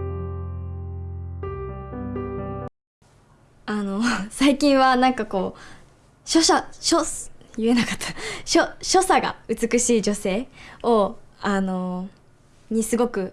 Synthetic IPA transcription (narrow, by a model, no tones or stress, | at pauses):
ano̞saikʲĩɰ̃βanãŋkako̞ː | ɕoɕaɕojɯ̟e̞nakat̪ʰːḁɕoɕo̞saɡa̰ɯ̟t͡sɨkɯ̟ɕiːd͡ʑo̞se̞ːoano̞ | ɲ̟isɨɡo̞kɯ̟